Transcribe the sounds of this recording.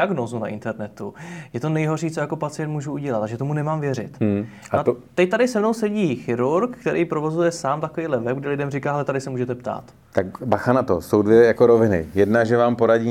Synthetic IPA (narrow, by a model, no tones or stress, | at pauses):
aɡno̞ːzuna̰ʔɪ̰nt̪ɛɾnɛt̪ujɛt̪o̞nɛjɦo̞rʃiːt͡sojako̞pat͡sɪjɛnt̪muːʒuuɟɛlat̪aʒɛt̪o̞munɛmaːmvjɛrɪ̰t̪ | at̪ɛc̚t̪adɪsɛmno̞wsɛɟiːxɪɾuɾkkt̪ɛɾijpɾo̞vo̞zujɛsaːmt̪akoviːdlɛvɛb̚ɡdɪlɪdɛmrikaːɦɛlɛt̪adɪsɛmuːʒɛt̪ɛpt̪a̰ːt̪ | t̪akbaxanat̪o̰so̞wdvjɛjakoɾovɪnɪ̰jɛdnaʒɛvaːmpo̞ɾaɟiː